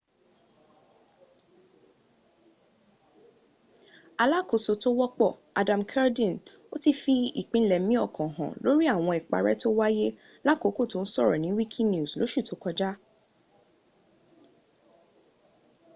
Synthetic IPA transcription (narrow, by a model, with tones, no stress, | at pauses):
a˧la˦ko˧so˧to˦wɔ˦k͡pɔ˦˨ | a˧dã˨m̩kʰɛ˦ɾdĩ˦˨n | o˦ti˦˧fi˧ḭ˦˨k͡pĩ˦lɛ˨˦mĩ˦ɔ˦˨kɔ̃˨ɦɔ̰̃˨lo˨˦ɾi˦a˦˨w̃ɔ̃˧ɛ˨k͡pa̰˨ɾɛ̰˦to˦wa˦je˦ | la˦˨ko˨˦ko˦˨to˦n̩˦sɔ˦˨ɾɔ̰˨nĩ˨˦wi˦kʰi˦n˦u˦˨slo˨˦ʃu˦˨tʰo˨˦kɔ˧d͡ʒa˦